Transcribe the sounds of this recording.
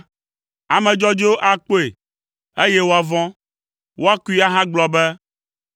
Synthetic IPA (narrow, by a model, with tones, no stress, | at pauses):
a˨mɛ̃˨d͡ʒɔ˦d͡ʒi˦wo˦ʔa˨k͡po˦e˨ | e˦jɛ˦wo˦a˨vɔ̃˦ | wo˦a˦ku˦i˦a˦ɦã˦ɡ͡blɔ˨bɛ˦